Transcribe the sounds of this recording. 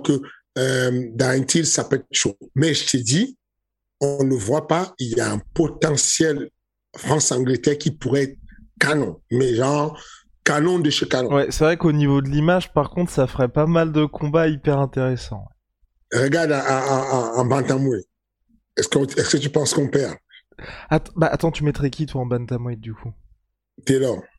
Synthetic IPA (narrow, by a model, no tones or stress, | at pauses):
kə | ømd̪ãɛnt̪ilsapøɛt̪̚ʃomɛʒət̪ed̪i | ɔ̃ləvwapailjaɛ̃pɔt̪ɑ̃sjɛl | fχɑ̃sɑ̃ɡlət̪ɛʁkʲipuʁɛɛt̪χkanɔ̃mɛʒɑ̃ʁ | kanɔ̃d̪əʃekanɔ̃wɛsɛvʁɛkonivod̪əlimaʒpaʁkɔ̃t̪χsafəʁɛpamald̪əkʰɔ̃baipɛʁɛ̃t̪eʁesɑ̰̃wɛ | ʁəɡaʁd̪aãɑ̃bãnt̪ãmwi | ɛskɛskət̪ypɑ̃skɔ̃pɛʁ | at̪baʔat̪ɑ̃t̪ymɛt̪χɛkʲit̪waɑ̃bãnt̪amwit̪̚d̪ykʰu | t̪yalɔʁ